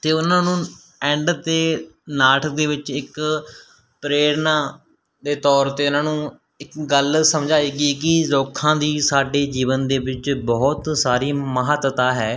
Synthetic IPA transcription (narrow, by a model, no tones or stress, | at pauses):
t̪eːʊnãːnũː | ɛ̃ːɳɖt̪eːnaːʈʰəkd̪eːʋɪt͡ʃɪk | pɾeːɾnaː | d̪eːt̪ɔːɾt̪eːʊnãːnũː | ɪkɡəlsəmd͡ʒaːiːɡiːk̬ɪzoːkʰːãːd̪iːsaːɖeːd͡ʒiːʋənd̪eːʋɪt͡ʃbɔːt̪saːɾiːməɦət̪wət̪aːɦɛː